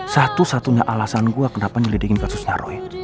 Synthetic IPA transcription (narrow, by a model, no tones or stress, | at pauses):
sat̪usat̪uɲaʔalasanɡuakənapaɲalidikɪnkasʊsɲaɾɔ̰j